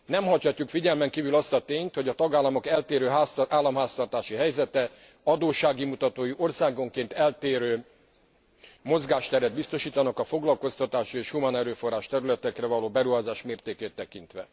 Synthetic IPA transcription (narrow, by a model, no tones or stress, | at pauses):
nɛmɦɒchɒcːukfiɟɛlmɛŋkiːvylɒst̪ɒt̪eːɲt̪hoɟɒt̪ɒɡaːlːɒmo̞kɛlt̪eːɾøːɦast̪ʔaːlːɒmɦaːst̪ɒrt̪aːʃiɦɛjzɛt̪ɛ | ɒd̪oːʃaːɡimut̪ɒt̪oːjiʔo̞rsaːɡo̞ŋkeːnt̪ɛlt̪eːɾøː | mo̞zɡaːʃt̪ɛɾɛd̪̚bist̪o̞ʃiːt̪ɒnɒkɒfo̞ɡlɒlko̞st̪ɒt̪aːʃieːʃhumaːnɛɾøːfo̞rːaːʃt̪ɛɾylɛt̪ɛkrɛvɒloːbɛɾuɦaːzaːʃmeːrt̪eːkeːt̪ːɛkint̪ʋɛ̰